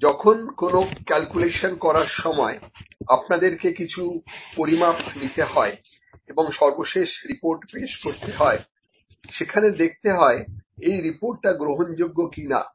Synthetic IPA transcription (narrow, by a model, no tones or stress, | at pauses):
d͡ʑɔkʰonkonokɛlkuleʃonkɔɾaɾʃɔmɔeapnad̪eɾkekit͡ɕʰupoɾimap̚ʰnit̪eɦɔe | eboŋʃɔɾboʃeʃɾipoɾʈpeʃkoɾt̪eɦɔe | ʃekʰaned̪ek̚ʰt̪eɦɔeejɾipoɾʈːaɡɾoɦond͡ʑoɡːokina̰